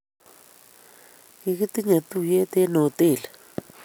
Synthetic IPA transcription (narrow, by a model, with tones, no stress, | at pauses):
i˦ki˦t̪i˦ɲe˨t̪u˦˨je˦t̪e˦no˨t̪e˦˨la˨